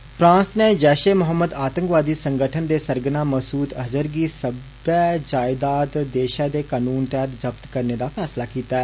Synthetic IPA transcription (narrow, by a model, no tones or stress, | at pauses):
pʰɾãːsneːd͡ʒɛːʃeːmʊɦəmːəd̪aːt̪ə̃ŋkʋaːd̪iːsəŋɡəʈʰənd̪eːsəɾɡnãːməsuːt̪əzəɾɡiːsəbɛːd͡ʒaːɪd̪aːd̪d̪eːʃaːd̪eːkaːnuːnt̪ɛːət̪zəbt̪kəɾneːd̪aːpʰɛːslaːkiːt̪aːɛː